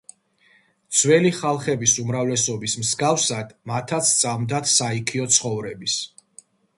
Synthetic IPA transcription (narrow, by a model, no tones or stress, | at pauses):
t̪sʰwɛliχalˠχɛbisumɾavlɛsɔbismsɡafsad̪̥mat̪ʰat̪sʰt̪sʼamd̪at̪ʰsaikʰiɔt̪sʰχɔvɾɛbis